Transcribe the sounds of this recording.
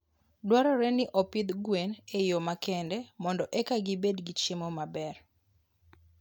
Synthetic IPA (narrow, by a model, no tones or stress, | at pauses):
dwaɾɔɾɛnɪʔɔpid̪ɡwenejomakɛndɛmɔndɔʔɛkaɡɪbedɡɪt͡ʃimɔmabɛr